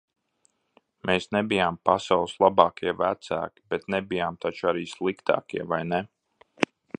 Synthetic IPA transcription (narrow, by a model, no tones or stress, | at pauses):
meːsnɛbijaːmpasawlˠslˠabɑːkʰiɛvæt̪sæ̰ːki̥bɛt̪nɛbijaːmt̪at͡ʃaɾiːslˠikt̪a̰ːkiɛvajnɛ